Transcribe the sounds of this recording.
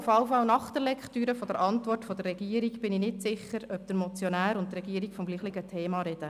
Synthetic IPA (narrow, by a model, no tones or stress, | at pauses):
ʊfɑʊfɑʊnɑχt̪əɾlɛkχtyːɾəfod̥̪əɾʔɑntvɔrtfod̥̪ərːɛɡ̥iːəɾiɡb̥ɪnɪnɪtsɪχəɾœp̚d̪̥əɾmɔt͡sjonæːɾʊntrɛɡiːɾikfɔmɡliːχlɪɡətʰeːmɑɾɛd̥ə